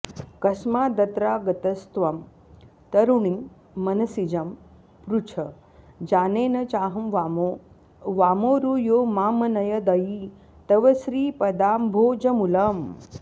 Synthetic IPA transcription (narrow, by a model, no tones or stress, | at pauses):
kɐsmaːd̪ɐt̪ɾaːɡɐt̪ɐst̪ʋɐm | t̪ɐɾuɳiŋ | mɐnɐsid͡ʒɐm | pɾut͡ʃʰɐ | d͡ʒaːneːnɐt͡ʃaːɦɐmʋamo | ʋaːmoːɾujoːmaːmɐnɐjɐd̪ɐji | t̪ɐʋɐsɾiːpɐd̪aːmbʱoːd͡ʒɐmulɐm